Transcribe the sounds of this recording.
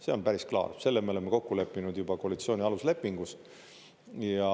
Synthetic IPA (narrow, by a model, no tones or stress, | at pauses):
se̞o̞npæɾisklɑ̰ːrse̞lːemeole̞mːeko̞kːule̞pːinud̪̥jub̥ɑko̞ɑlit̪sio̞ːnʲiɑlusle̞pːiŋɡ̥us | jɑ